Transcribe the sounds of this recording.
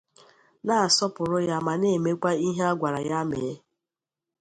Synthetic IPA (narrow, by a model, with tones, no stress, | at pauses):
na˨a˨sɔ˦pʊ˨ɾʊ˦ja˦ma˨ne˦˨me˦kʷa˦i˦ɦe˦a˦ɡʷa˨ɾa˨ja˦me˨˦